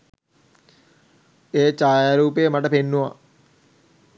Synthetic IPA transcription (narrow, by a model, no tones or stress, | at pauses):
eːt͡ʃaːjaɾuːpejəmaʈəpenːuʋa̰